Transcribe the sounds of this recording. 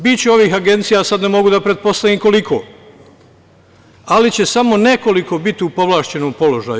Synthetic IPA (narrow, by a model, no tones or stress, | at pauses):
bit͡ɕeo̞ʋiːɦaɡe̞nt̪sijasad̪nemo̞ɡud̪apɾe̞t̪̚po̞st̪aʋiːmko̞likʰo̞̰ː | alit͡ɕe̞samo̞ne̞ko̞liko̞bit̪iupo̞ʋlˠaːʃt͡ɕe̞nompo̞lo̞ʒaj